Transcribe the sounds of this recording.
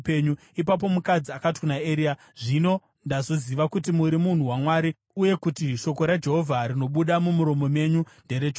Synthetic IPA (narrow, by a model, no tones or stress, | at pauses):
peɲu | ipap̬o̞mukad͡ziakatkunaeɾia | ʐino̞ | ndazo̞ziʋakutimuɾimun̤uwamwaːɾi | uje̞kutiʃo̞ko̞ɾad͡ʒe̞ɦo̞vʱaɾino̞ɓuɗamumuɾo̞mo̞me̞ɲunde̞ɾed͡ʒo